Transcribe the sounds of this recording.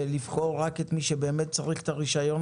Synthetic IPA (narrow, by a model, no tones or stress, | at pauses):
livχo̞ʁːake̞t̪miʃebeːmet̪̚t͡saʁiχe̥t̪aʁiʃajo̞n